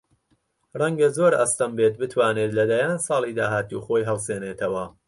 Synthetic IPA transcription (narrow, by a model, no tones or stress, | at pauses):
rɐŋɡɐzoːɾɐ̰st̪ɐmbeːt̪̚bɨt̪ʰwaːnet̪lɐd̪ajaːnsɑːlˠiːd̪aːɦaːt̪uːxo̞ːjɦɐlseːneːt̪ʰɐwɐ